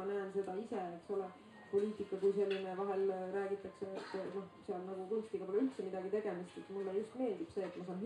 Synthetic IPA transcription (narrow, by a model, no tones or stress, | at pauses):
ɑnæːnse̞d̪̥ɑiseeksole | po̞lʲiːt̪ikˑːɑkujse̞lːinevɑɦe̞lɾæːɡ̥it̪ːˑɑkset̪ːno̞hseɑlnɑɡ̥uk̪unst̪iɡ̥ɑpolylt̪semid̪̥ɑɡ̥it̪e̞ɡ̥emist̪et̪mulːejust̪me̞ːld̪ib̥se̞ːt̪mɑsɑːn